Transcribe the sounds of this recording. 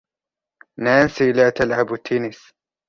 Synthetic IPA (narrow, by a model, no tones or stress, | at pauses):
naːnsilaːt̪alʕabt̪ʰːiːnɪs